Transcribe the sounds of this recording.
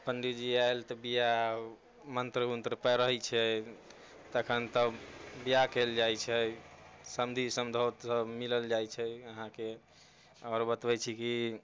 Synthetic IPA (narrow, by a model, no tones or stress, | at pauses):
pənd̪id͡ʒiaelt̪ɔbija | mənt̪ɾəunt̪ɾəpəɾəɦɛt͡ʃʰɛ | t̪əkʰənt̪əbijakeld͡ʒajt͡ʃʰɛ | səmd̪ʱisəmd̪ʱət̪səbmiləld͡ʒajt͡ʃʰɛəɦãke | ɔːɾbət̪bɛt͡ʃʰiki